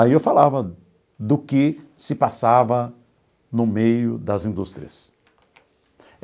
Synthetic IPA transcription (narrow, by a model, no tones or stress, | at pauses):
aiewfalavɐ | d̪ʊkɪsɪpasavɐ | nʊmejʊ̰d̪ɐzĩnd̪ust̪ɾiɐs